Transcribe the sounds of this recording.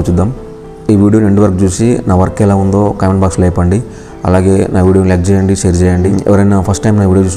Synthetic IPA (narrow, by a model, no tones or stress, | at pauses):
t͡ʃud̪ːaːm | iːʋiːɽioneɳʈiʋɐɾkt͡ʃuːsinaːʋɐɾkːɛlaːund̪o̞ːkaːjmeɳbaːkslɛjpɐɳɖi | ɐ̰laːɡe̞ːnaːʋiːɽiolek̚t͡ʃɛːjɐɳɖiʃeːɾd͡ʒɛːjɐɳɖiɛ̰ʋɐɾɐjnapʰɐsʈːɐjmnaːʋiːɽijot͡ʃuːs